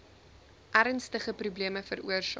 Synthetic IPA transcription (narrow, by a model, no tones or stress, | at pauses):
ʔæɾənstəχəprubliəməfəɾṵərsɑ̰